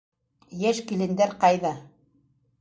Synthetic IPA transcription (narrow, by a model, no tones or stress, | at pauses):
jæʃkilɘ̆nd̪æɾqɑjðɑ